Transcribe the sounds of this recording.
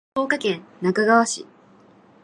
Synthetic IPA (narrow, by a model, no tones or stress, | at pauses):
o̞ːkakẽ̞nnakaɡaβaɕḭ